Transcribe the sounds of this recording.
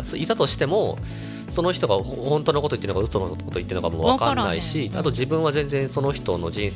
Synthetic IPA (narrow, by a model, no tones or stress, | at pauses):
soit̪at̪o̞ɕi̥t̪e̞mo̞ | so̞no̞çi̥t̪o̞ɡa | hõ̞nt̪oːnoko̞t̪o̞it̪ːeɯnoɡaɯ̟t͡sonokot̪o̞it̪ːeɯnokamoβakanːaiɕiat̪o̞d͡ʑibɯ̟̃ɰ̃βazẽ̞nd͡zẽ̞ɰ̃so̞no̞çi̥t̪o̞no̞d͡ʑĩɰ̃s